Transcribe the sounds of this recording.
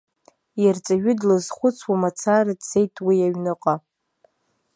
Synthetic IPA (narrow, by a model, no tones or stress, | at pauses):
jart͡sʼaʒᶣʏdlɨzχʷʊt͡sʰwamat͡sʰaradse̞jtʼʰwiaɥnɨqʼa